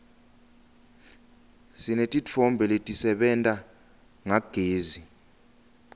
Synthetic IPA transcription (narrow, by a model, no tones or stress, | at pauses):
sinetʼit͡fʰɔmbʱɛletʼisɛɓɛntʼa | ŋaɡ̥ʱeːzi